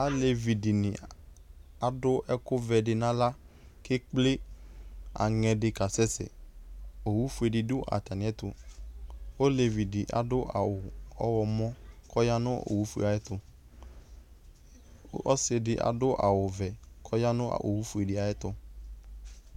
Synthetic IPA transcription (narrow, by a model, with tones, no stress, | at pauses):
a˦le˨vi˨di˨nɪ̃˨ | a˨dʊ˦ʔɛ˦kʊ˦vɛ˨dɪ˨nã˦la˦ | kɪ˦k͡plɪ˦ | a̰˨ŋɛ˧dɪ˧ka˨sɛ˦sɛ̰˨ | o˨wu˦fu˦e˧˨dɪ˧˨dʊ˦ʔa̰˨ta˨nɪ̃˨ɛ˦t̪ʊ˧ | o˦le˨vi˨dɪ˨ʔa̰˨dʊ˦ʔa̰˨wʊ˨ɔ˦wɔ˧mɔ̃˦kʰɔ˦ja˦nʊ̃˦o̰˨wu˦fu˦ḛ˨a˨jɛ˦t̪ʊ˧˦ | ɔ̰˦sɪ˧dɪ˦ʔa̰˨dʊ˦ʔa̰˨wʊ˨vɛ˨kʰɔ˦ja˦nʊ̃˦a̰˨ʔo̰˨wu˦fu˦e˨dɪ˨˦a˨jɛ˦t̪ʊ˧